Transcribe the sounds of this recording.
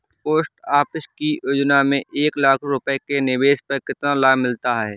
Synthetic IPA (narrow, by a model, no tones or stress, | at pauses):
poːsʈaːpɪʃkijod͡ʒnamẽʔeːklaːkʰɾʊpəekenɪʋeːʃpɐɾkɪt̪nalaːmɪlt̪aɦɛː